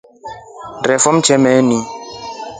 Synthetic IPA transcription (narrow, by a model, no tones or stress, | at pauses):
rɛfɔm̩t͡ʃʰɛmɛni